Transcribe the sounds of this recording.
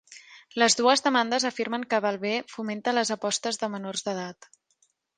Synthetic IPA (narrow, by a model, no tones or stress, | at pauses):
ləzðuəzðəmand̪əzəfiɾməŋkəβalˠβefument̪ələzəpɔst̪əzðəmənorzðəð̞at̪